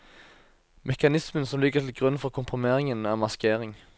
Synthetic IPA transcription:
mʔɛkɑnɪsmənsɔmlɪɡəʁt̪ʰɪlɡʁʉnfɔʁkʰʊmpʰʁʊmeːʁɪŋənɑːmɑskʰeːʁɪŋ

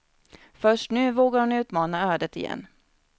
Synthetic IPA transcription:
fœʂʈnʉ̟ːvoːɡaɾhʊnʉ̟ːt̪mɑːnaœːd̪ət̪ɪjɛ̰nː

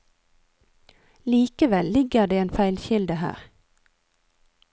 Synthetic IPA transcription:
liːkəʋɛllɪɡəʁd̪eːeːnfæɪlçɪld̪əhæ̰ːʁ

